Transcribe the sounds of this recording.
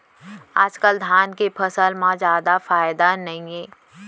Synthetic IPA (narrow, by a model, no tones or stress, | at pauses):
aːd͡ʒkəld̪ʱjaːnkepʰəsəlmãd͡ʒjaːd̪afaːɪd̪anɐɦĩẽː